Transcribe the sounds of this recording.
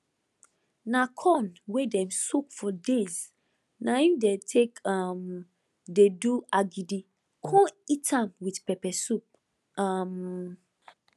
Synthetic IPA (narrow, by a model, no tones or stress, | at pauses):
nakʰɔ̃nwedɛ̃msukfɔdez | naifdetʰekam | deduaɡidi | kʰɔ̃itʰãmwitpɛpɛsup̚ | am